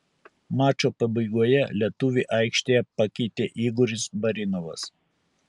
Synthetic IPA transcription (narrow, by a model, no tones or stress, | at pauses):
mɑːt͡ʃʲoːpɐbɐɪɡuɔjɛlʲiɛt̪ʊʋʲiːʔɐɪkʃʲt̪ʲeːjɛpɐkʲɛɪt̪ʲeːʔiːɡʊɾʲɪsbɐɾʲɪnɔʋɐ̰s